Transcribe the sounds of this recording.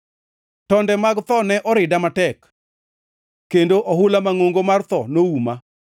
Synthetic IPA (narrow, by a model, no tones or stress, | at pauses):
tɔndɛmaɡt̪ɔnɛʔɔɾɪdamatɛk | kːendoʔɔɦʊlamaŋoŋɡomart̪ɔnouma